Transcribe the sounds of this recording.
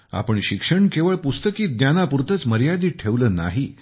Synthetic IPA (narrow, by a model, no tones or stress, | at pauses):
a̰pəɳɕikʂəɳkeʋəɭpust̪əkiːd̪njanapuɾt̪ʰət͡sməɾjad̪iːʈʰeʋləːna̰ɦiː